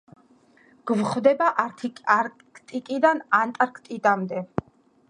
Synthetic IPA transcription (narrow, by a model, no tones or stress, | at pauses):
ɡ̥vχvd̪ɛbaaɾ | kʰt̪ʼikʼid̪anant̪ʼaɾkʰt̪ʼid̪amd̪ɛ